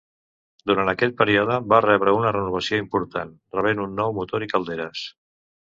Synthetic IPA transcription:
d̪uɾant̪əkɛʎpəɾiɔðəbarɛβɾəunərənuβ̞əsioimpuɾt̪an | rəβ̞enunːɔwmut̪oɾikəlˠd̪eɾəs

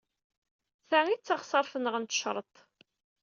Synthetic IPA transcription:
θæŋit͡sːɑχsˤɑɾˤfənəʁənt̪ə̥ʃɾˤət̪ˤ

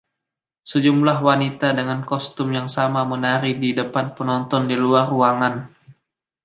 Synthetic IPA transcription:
səd͡ʒumlahwanit̪adəŋankɔst̪ʊmjaŋsamamənaɾididəpanpənɔnt̪ɔndiluaruaŋan

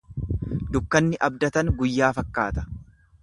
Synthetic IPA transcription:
d̪ʊkːɐnːɪʔɐb̚d̪ɐt̪ɐŋɡʊjːaːfɐkːa̰ːt̪ɐ̥

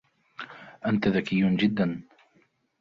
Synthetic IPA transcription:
ʔant̪aðakɪjːʊnd͡ʒɪd̪ːan

